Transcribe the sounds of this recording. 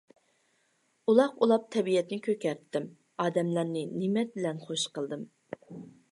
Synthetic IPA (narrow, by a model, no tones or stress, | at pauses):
ulˠɑqulˠɑp̚t̪ʰɛbijɛt̪nɪkʲʰøkʲɛɾt̪ʰːɪm | ɑːd̪ɛmlæɾnɪnɪmɛt̪̚bɪlɛnχoʃqəlˠd̪ɨm